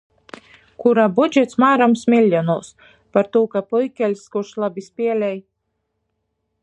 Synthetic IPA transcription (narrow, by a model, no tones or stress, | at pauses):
kuɾaːbud͡ʒʲɛt̪smaːɾamsmʲilʲːɔnuɔs | paɾt̪uːkapujkʲɛlʲskuɾʃlˠabʲisʲpʲiɛlʲɛj